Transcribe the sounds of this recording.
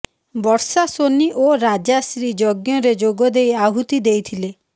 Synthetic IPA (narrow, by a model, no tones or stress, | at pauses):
bɔɾsasoniʔoɾad͡ʒasɾid͡ʒɔɡjɔɾed͡ʒoɡɔd̪ejaɦut̪id̪ejt̪ʰile